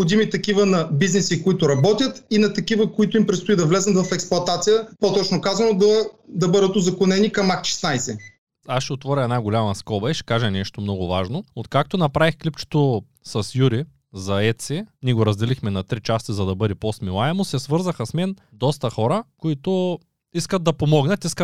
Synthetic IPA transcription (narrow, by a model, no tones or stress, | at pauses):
pxod̪imit̪ɐkivənɐbiznɛsikoit̪ʊɾɐbɔt̪ʲjət̪inɐt̪ɐkivəkoit̪ʊimpɾɛt̪st̪ʊid̪ɐvlɛzət̪vɐfɛksplˠʊɐt̪at̪sijəpot̪ɔt͡ʃnokazɐnod̪ɐd̪ɐbɤd̪ət̪ʊzɐkonɛnikɐmakʃɛ̥snajsɛ | asʃɛot̪vɔɾʲɐɛd̪naɡolʲamɐskɔbɐɛʃɛ̥kaʒɛnɛʃt̪omnɔɡʊvaʒnoot̪kak̚t̪onɐpɾavixklip̚t͡ʃo̥t̪o | sɐsjuɾi | zɐɛt̪sɛniɛɡoɾɐzd̪ɛlixmɛnɐt̪ɾit͡ʃast̪izɐd̪ɐbɤd̪ɛposmilˠaɛmʊsɛsvɤɾzɐxɐsmɛn | d̪ɔst̪ɐxɔɾəkoit̪ʊ | iskəd̪̚d̪ɐpomɔɡnɐt̪iskə